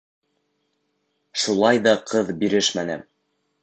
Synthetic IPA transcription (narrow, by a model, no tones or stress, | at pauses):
ʃulˠɑjðɑqʰɤðbiɾɘʃmænæ̰m